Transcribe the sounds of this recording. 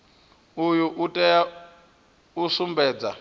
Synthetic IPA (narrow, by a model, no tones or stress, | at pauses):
ujuʔutʼɛja | usumbɛːd͡za